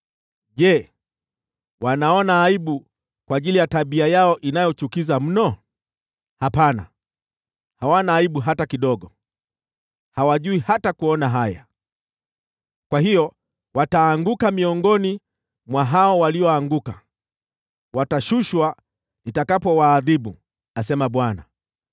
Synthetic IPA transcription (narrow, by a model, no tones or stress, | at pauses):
ʄɛ | wanaɔnaːiɓu | kwaːʄilijataɓiajaɔʔinajɔt͡ʃukizam̩nɔ | hapana̰ | hawanaːiɓuɦatakiɗɔɠɔ | hawaʄuihatakuɔnaɦaja̰ | kwahijɔ | wataːŋɡukamiɔŋɡɔni | mwaɦaɔwaliɔaŋɡuka | wataʃuʃwa | itakapɔwaːðiɓu | asɛmaɓwana̰